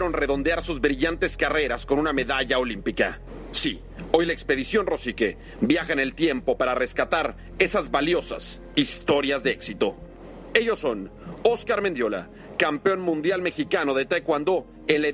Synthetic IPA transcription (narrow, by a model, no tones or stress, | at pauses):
eɾonre̞ðo̞nd̪eaɾsuzβɾiʝant̪e̞skare̞ɾasko̞nũname̞ðaʝao̞limpika̰ | si | o̞jlaekspe̞ðisjo̞nro̞sike | bjaxane̞lt̪je̞mpo̞paɾare̞skat̪aɾ | e̞sazβaljo̞sa̰s | ist̪o̞ɾjazðe̞eksit̪o | e̞ʝo̞sːo̞noskaɾme̞nd̪jo̞la̰ | kampeo̞nmũnd̪jalme̞xikano̞ðe̞t̪ajkwand̪o̞ | enlae